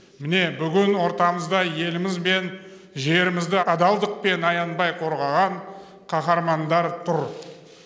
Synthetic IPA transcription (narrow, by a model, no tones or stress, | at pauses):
mɪne̞bʏɡʲɪnwo̞ɾt̪ɑməzd̪ɑje̞lɪmɪzbe̞n | ʒe̞ɾɪmɪzd̪ɪɑd̪ɑlˠd̪əq̚pe̞nɑjɑnbɑjqʰo̞ɾʁɑʁɑɴ | qʰɑχɑɾmɑnd̪ɑɾt̪ʰʊɾ